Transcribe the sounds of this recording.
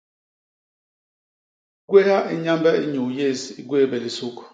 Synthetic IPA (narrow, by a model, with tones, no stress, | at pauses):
ɡwe˦ha˦ʔi˦ɲa˦mbɛ˦i˦ɲu˨je˦˨zi˨ɡwe˦˨bɛ˨li˨su˦k